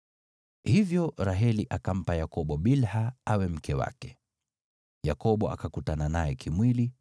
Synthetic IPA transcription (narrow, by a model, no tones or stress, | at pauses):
hivjɔɾaɦɛliʔakam̩pajakɔɓɔɓilhaawɛm̩kɛwa̰kɛ̥ | jakɔɓɔa̰kakutananajɛkʰimwili